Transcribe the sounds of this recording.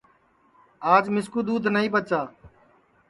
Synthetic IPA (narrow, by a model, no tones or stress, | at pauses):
aːd͡ʒmɪskuːd̪uːd̪nəĩːbət͡ʃaː